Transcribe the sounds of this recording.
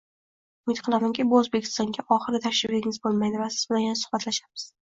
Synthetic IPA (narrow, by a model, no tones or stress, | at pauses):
ʊmɪt̪qʰɨlˠamaŋkʲɪbʊozbe̞kʲʰɪ̥st̪ɒŋɡʲaʔɒχɨɾɪt̪ʰaʃɪbeɾɪŋɪzbolˠmajd̪ɪvasɪzbɪnajanasʊ̥χbat̪laʃamɪ̥z̥